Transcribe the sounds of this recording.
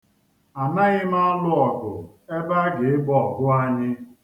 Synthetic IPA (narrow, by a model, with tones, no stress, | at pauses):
a˨ma˦ɣɪ˦ma˦lʊ˦ɔ˨ɡʊ̰˨ | e˦ba˦ɡe˨ɪ˦ɡ͡bɔ˨ɡʊ˦a˦ɲɪ˦